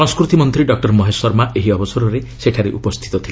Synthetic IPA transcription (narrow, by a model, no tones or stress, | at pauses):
sɔ̃ŋskɾut̪imɔnt̪ɾiɖɔk̚ʈɔɾmɔɦesɔɾmaʔeɦiɔbɔsɔɾɔɾeseʈʰaɾeʔupɔst̪ʰi̥t̪ɔt̪ʰile